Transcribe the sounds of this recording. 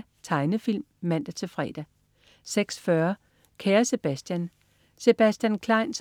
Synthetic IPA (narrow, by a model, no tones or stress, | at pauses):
t͡sʰɑ̈ɪnəfil̰mːæn̰d̥æt͡sʰe̝fʁɛ̰ːd̥æ | seɡ̥sfɶɐ | kʰæːɐse̝b̥æsd̥jæn | se̝b̥æsd̥jænkʰlɑ̈ɪns